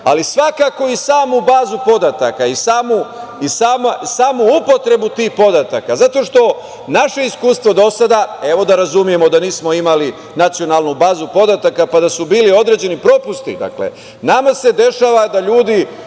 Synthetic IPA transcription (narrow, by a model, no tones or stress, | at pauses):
a̰lisʋakako̞isaːmubaːzupo̞d̪at̪a̰kaisaːmuisaːmasaːmuupo̞t̪ɾe̞but̪iːhpo̞d̪at̪akazat̪o̞ʃt̪o̞ | naʃe̞iskuːst̪ʋo̞d̪o̞sad̪ae̞ʋo̞d̪aɾazumije̞mo̞d̪aniːsmo̞imali | nat̪sijo̞nalˠnubaːzupo̞d̪at̪akapad̪asubiːlio̞d̪ɾe̞d͡ʑe̞nipɾo̞pust̪ḭd̪a̰klḛ | namase̞d̪e̞ʃaːʋad̪aʎuːd̪i